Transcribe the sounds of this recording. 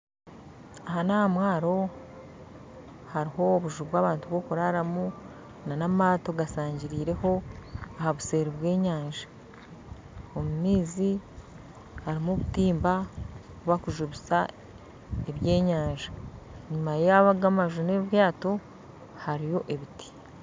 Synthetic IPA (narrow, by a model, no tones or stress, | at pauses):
ahanahamwaːɾo̞ | haɾiho̞ːβuʒuβwaːβaːntuβo̞kuɾaɾamu | nanamaːto̞ɡasaːɲɟiɾiːɾe̞ho̞ahaβuse̞ːɾiβwe̞ːɲaːnʒḁ | omumiːzi | haɾimuβutiːmba | kuβakuʒuβisa | eβje̞ːɲaːɲʒaɲumajaβaɡamaʒune̞βjaːto̞ | haɾijo̞ʔeβiti̥